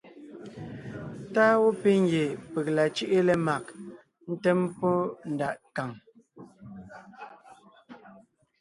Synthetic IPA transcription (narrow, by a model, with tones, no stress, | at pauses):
taː˦wo˦pe˦ŋ˦ɡje˨pe˨k̚la˨t͡ʃi˦ʔe˦le˨ma˨k̚ | n̩˦tɛ˦mpɔ˦n̩˨da˨ʔka˨ŋ